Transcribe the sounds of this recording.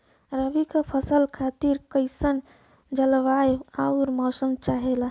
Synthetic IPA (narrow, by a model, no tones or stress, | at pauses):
ɾəbikepʰəsəlkʰat̪iɾkəɪsən | d͡ʒəlʋajauɾmɔsəmt͡ʃaɦela